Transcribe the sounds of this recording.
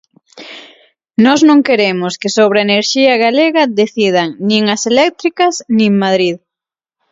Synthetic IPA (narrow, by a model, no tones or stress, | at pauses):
nɔznõŋkeɾemʊskɪsoβ̞ɾeneɾʃiɐɣaleɣɐðeθið̞ɐŋnĩŋɐselɛk̚t̪ɾikɐsnĩŋmaðɾið